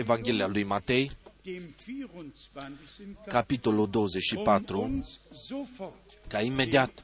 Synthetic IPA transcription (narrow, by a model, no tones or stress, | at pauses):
evaŋɡʲe̞lealujmat̪e̞j | kapit̪o̞lud̪o̞woze̞t͡ʃʃipat̪ɾu | kaime̞d̪iat̪